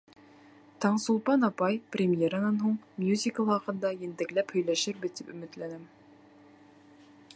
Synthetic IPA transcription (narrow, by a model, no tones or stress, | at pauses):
t̪ʰɑɴsulˠpɑnɑpɑjprʲɪmʲjeɾənɑnɦuɴmjuzʲikəlˠɑqɤ̆nd̪ɑjent̪æ̆klæphɵ̆jlæʃɘɾbɘt̪ipɵ̆mɘ̆t̪lænæm